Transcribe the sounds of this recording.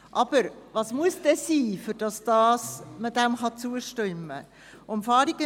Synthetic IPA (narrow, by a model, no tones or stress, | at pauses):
ʔɑb̥əɾʋɑːsmuəsd̥ɛsiːfʏɾd̥ɑsd̥ɑːsmədæmχɑt͡suəʃtʏmːə̰ | ʊmfɑːɾiɡə